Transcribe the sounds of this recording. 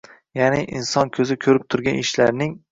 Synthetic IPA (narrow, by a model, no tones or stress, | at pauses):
janɪʔɪnsɒnkʲʰɵzɪkʲʰɵɾɪp̚t̪ʰʊɾɡʲanɪʃlaɾnɪŋ